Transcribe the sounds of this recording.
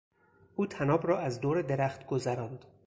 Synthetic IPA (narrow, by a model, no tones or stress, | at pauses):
ʔuːt̪ʰænɒːbrɒːæzd̪oːɾed̪eɾæχt̪ɡozæɾɒnd̪